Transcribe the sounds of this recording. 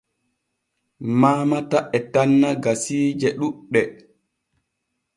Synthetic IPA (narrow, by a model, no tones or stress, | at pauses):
maːmataʔɛtanːaɡasiːd͡ʒɛɗuɗːɛ